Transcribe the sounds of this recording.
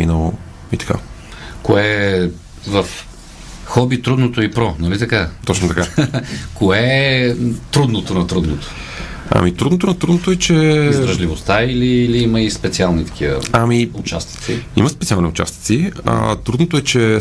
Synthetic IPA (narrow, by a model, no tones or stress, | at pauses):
mḭnəlˠo | it̪ɐ̥kʰa̰ | koɛ | vɐf | xɔbit̪ɾud̪not̪oipɾɔnɐlit̪ɐkat̪ɔt͡ʃnot̪ɐkakoɛ | t̪ɾud̪not̪onɐt̪ɾud̪not̪o̥ | a̰mit̪ɾud̪not̪onɐt̪ɾud̪not̪oɛt͡ʃɛizɾɐʒlivost̪aililiiməispɛt̪sialˠnit̪ɐ̥k̟ʰivə̰amiʊt͡ʃast̪i̥t̪siḭməspɛt̪sialˠniʊt͡ʃa̰st̪i̥t̪sia̰t̪ɾud̪not̪oɛt͡ʃɛ